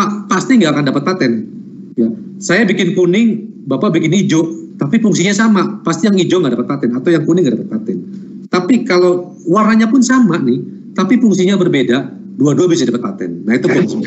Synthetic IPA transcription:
apast̪iŋɡaːkandapət̪̚pat̪ɛn | ja | sajabikɪnkunɪŋ | bapabikɪnid͡ʒɔʔt̪apifuŋsiɲasamapast̪ijaŋid͡ʒɔŋɡaʔdapət̪̚pat̪ɛnat̪awjaŋkunɪŋɡaʔdapət̪̚pat̪ɛn | t̪apikalow | warnaɲapʊnsamanɪh | t̪apifuŋsiɲabərbeda | duaduabisadapət̪̚pat̪ɛ̰nːait̪ukuns

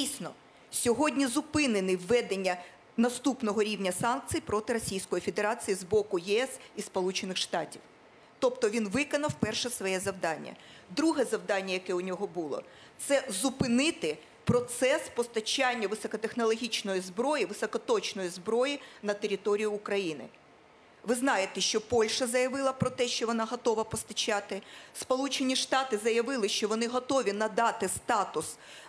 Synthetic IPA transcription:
isʲnɔ | sʲɔɦɔdʲnʲizʊpɪnenɪwːɛd̪enʲːɐ | nɐst̪upnɔɦɔɾʲiwnʲɐsɑnk̚t͡sʲijipɾɔt̪ɪɾɔsʲijsʲkɔjife̞d̪eɾɑt͡sʲijizbɔkʊjɛɛsispɔlˠut͡ʃenɪxʃt̪ɑtʲiw | t̪ɔpt̪ɔʋʲinʋɪkɐnɐwpɛrʃɛsʋɔjɛzɐwd̪ɑnʲːɐ̰ | d̪ɾuɦɛzɐwd̪ɑnʲːɐjɐkɛʊnʲɔɦɔbulˠɔ̰ | t̪sɛzʊpɪnɪt̪ɪ | pɾɔt̪sɛspɔst̪ɐt͡ʃanʲːɐʋɪsɔkɔt̪exnɔlˠɔɦʲit͡ʃnɔjizbɾɔjiʋɪsɔkɔt̪ɔt͡ʃnɔjizbɾɔjinɐt̪eɾʲit̪ɔɾʲijʊːkɾɐjinɪ̰ | ʋɪznɑjet̪ɛʃt͡ʃɔpɔlʲʃɐzɐjɐʋɪlˠɐpɾɔt̪ɛʃt͡ʃɔʋɔnɑɦɔt̪ɔʋɐpɔst̪ɐt͡ʃɑt̪ɪspɔlˠut͡ʃenʲiʃt̪ɑt̪ɪzɐjɐʋɪlˠɪʃt͡ʃɔʋɔnɪɦɔt̪ɔʋʲinɐd̪ɑt̪ɪst̪ɑt̪ʊs

